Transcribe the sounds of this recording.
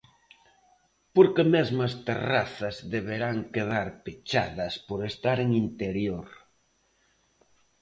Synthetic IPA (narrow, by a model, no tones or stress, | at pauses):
poɾkemezmɐst̪ḛra̰θɐzðeβeɾaŋkeð̞aɾpet͡ʃaðɐspoɾest̪aɾeŋint̪eɾjoɾ